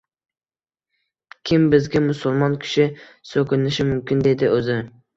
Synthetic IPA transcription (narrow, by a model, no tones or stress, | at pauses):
kʲʰɪmbɪzɡʲamʊsʊlˠmɒnkʲʰɪ̥ʃɪ | sɵkʲɪnɪʃɪmʊmkʲɪnd̪e̞d̪ɪʔɵzɪ